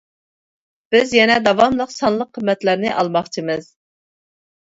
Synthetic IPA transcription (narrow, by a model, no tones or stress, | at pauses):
b̥ɪzjɛnɛd̪ɑvɑmlˠəqsɑnlˠəqʰːəmːɛt̪læɾnɪʔɑlˠmɑχt͡ʃʰimɨz̥